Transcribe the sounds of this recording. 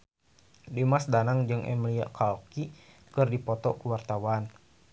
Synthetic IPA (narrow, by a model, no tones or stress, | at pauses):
dimasdanaŋd͡ʒɨŋʔɛ̰mlia̰ʔkalki | kɨrdipɔt̪ɔkəwart̪awan